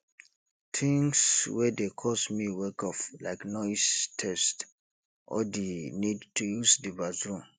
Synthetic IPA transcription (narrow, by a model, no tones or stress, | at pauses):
tʰĩŋswɛdekʰɔsmiwɛkɔfla̰ɪknɔɪstʰɛst | ʔɔ̰dinidtʰujusdivazɹũm